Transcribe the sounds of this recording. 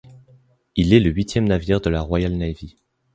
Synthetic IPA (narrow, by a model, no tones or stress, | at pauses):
ilɛləɥit̪ʰjɛmnaviʁd̪əlaʁwajalnajvi